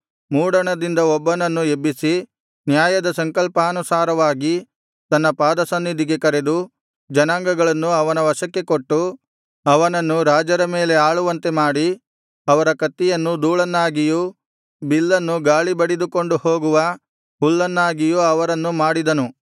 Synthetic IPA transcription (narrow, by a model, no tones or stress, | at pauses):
muːɽɐɳɐd̪ind̪ɐɔbːɐnɐnːuebːisi | njaːjɐd̪ɐsɐŋkɐlpɐːnusaːɾɐʋaːɡi | t̪ɐnːɐpaːd̪ɐsɐnːid̪ʱiɡe̞kɐɾe̞d̪u | d͡ʒɐnaːŋɡɐɡɐɭɐnːuɐʋɐnɐʋɐʃɐkːe̞ko̞ʈːu | ɐʋɐnɐnːuɾaːd͡ʒɐɾɐmeːle̞aːɭuʋɐnt̪e̞maːɽi | ɐʋɐɾɐkɐt̪ːijɐnːud̪uːɭɐnːaːɡiju | bilːɐnːuɡaːɭibɐɽid̪uko̞ɳɖuho̞ːɡuʋɐ | ɦuɭːɐnːaːɡijuɐʋɐɾɐnːumaːɽid̪ɐnu